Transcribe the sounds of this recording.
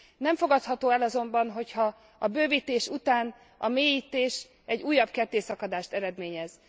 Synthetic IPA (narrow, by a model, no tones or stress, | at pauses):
nɛɱfo̞ɡɒt̪hɒt̪oːɛlɒzo̞mbɒnɦo̞chɒ | ɒbøːvit̪eːʃut̪aːn | ɒmeːjiːt̪eːʃ | ɛɟːuːjːɒbkɛrt̪eːsɒkɒd̪aːʃt̪ɛɾɛd̪meːɲɛz